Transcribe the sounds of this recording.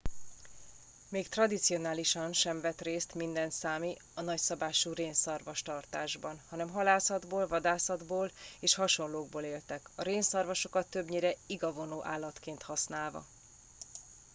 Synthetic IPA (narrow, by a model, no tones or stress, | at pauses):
meːkt̪rɒd̪it̪sio̞naːliʃɒnʃɛɱvɛt̪reːst̪mind̪ɛnt̪saːmi | ɒnɒcsɒbaːʃuːreːnsɒrvɒʃt̪ɒrt̪aːʒbɒnhɒnɛmɦɒlaːsɒd̪boːlvɒd̪aːsɒd̪boːleːʃhɒʃo̞nloːɡ̚boːleːlt̪ɛkɒɾeːnsɒrvɒʃo̞kɒt̪ːø̞bɲeːɾɛiɡɒvo̞noːʔaːlːɒt̪keːnt̪hɒsnaːlvɒ̰